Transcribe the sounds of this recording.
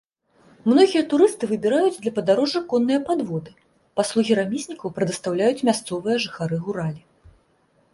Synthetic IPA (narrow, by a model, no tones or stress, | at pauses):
mnɔɣʲijɐt̪uɾɨst̪ɨvɨbʲiɾajud͡zʲd̪lʲɐpɐd̪aɾɔʐːɨkɔnːɨjɐpad̪vɔd̪ɨ | paslˠuɣʲiɾamʲisʲnʲikɐwpɾɨd̪ɐst̪awlʲajut͡sʲmʲast̪sɔvɨjɐʐɨxaɾɨɣuɾalʲi